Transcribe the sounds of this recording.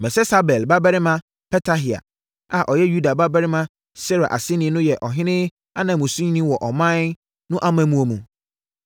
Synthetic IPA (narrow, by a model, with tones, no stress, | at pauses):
mɛ̃˨sɛ˦sa˦bɛ˨lba˦bɛ˦ɾɪ˦mã˦ | pʰɛ˦tʰa˦ɦi˨a̰˨ | a˨ʔɔ˨jɛ˦ju˦da˨ba˦bɛ˦ɾɪ˦mã˦ | sɛ˦ɾa˨ʔa̰˨sɪ˦nɪ̃˦nʊ̃˦jɛ˨ʔɔ˨ɦɪ̃˦nɪ̃˦ | a˦nã˨mũ˨sũ˦ɲ˦nĩ˦wɔ˨ʔɔ˨mã˦n | nʊ̃˦ʔa˦mã˦mũ˦o˨mũ˨